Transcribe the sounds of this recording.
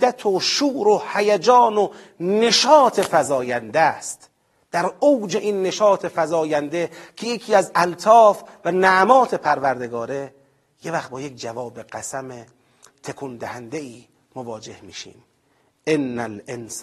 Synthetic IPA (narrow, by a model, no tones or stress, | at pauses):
æt̪ʰoʃuːɾohæjæd͡ʒɒːno | ne̞ʃɒːt̪ʰe̞fæzɒːjænd̪æst̪ | d̪̥æɾowd͡ʒe̞ʔinːe̞ʃɒːt̪ʰe̞fæzɒːjænd̪ekʰe̞jekʰiːæzælt̪ʰɒːfvænæʔmɒːt̪ʰe̞pʰæɾvæɾd̪e̞ɡɒːɾe̞ | jevæxt̪bɒːjek̚d͡ʒævɒːbeɡæsæme | t̪ʰekʰund̪æhænd̪eiː | movɒːd͡ʒe̞hmḭːʃḭːm | ʔenːælens